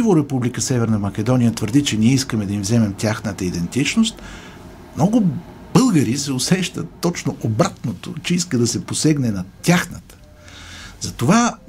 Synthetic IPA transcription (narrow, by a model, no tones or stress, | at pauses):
ivoɾɛpublikəsɛvɛɾnəmɐkʲɛd̪ɔnijət̪vəɾd̪it͡ʃɛniɛiskəmɛd̪ɐimvzɛmɛmt̪ʲjaxnət̪əid̪ɛnt̪it͡ʃnost̪ | mnɔɡʊ | bɤlˠɡəɾisɛosɛʃt̪ət̪ːɔt͡ʃnoʔobɾat̪not̪o̰t͡ʃɛiskəd̪ɐsɛposɛɡnɛnɐt̪ʲjaxnət̪ə̥ | zɐt̪ova